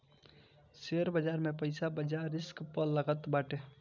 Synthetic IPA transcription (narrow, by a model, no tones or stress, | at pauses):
seəɾbəd͡ʒaɾmẽpəɪsabəd͡ʒaɾɪskpəlːəɡət̪baʈe